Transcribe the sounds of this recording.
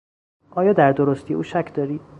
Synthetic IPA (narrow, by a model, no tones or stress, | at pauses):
ʔɒːjɒːd̪æɾd̪oɾost̪ijeuːʃækʰd̪ɒːɾiːd̪